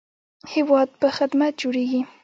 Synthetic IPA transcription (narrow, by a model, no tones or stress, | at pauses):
hewɑd̪̚pəxɪd̪mat̪̚d͡ʒoɽeɡi